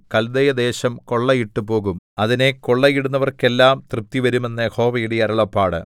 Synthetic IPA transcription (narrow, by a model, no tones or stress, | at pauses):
kɐld̪ɐjɐd̪e̞ːɕɐmko̞ɭːɐjiʈːupo̞ːɣumɐðine̞ko̞ɭːɐjiɽunːɐʋɐrke̞lːaːmt̪rɨp̚t̪ːiʋɐɾume̞nːɐho̞ːʋɐjuɽeɐɾɐɭɐpːaːɽɨ̰